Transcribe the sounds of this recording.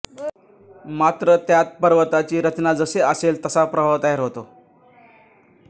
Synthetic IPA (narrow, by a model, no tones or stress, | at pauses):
mat̪ɾət̪jat̪̚pəɾʋət̪at͡ɕiːɾət͡ɕnad͡zəseəselt̪əsapɾəɦət̪aɦeɾɦot̪o